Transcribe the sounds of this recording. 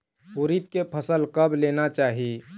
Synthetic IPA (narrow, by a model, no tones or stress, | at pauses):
ɦuɾit̪̚kepʰəsəlkəbʱleːnat͡ʃaːɦi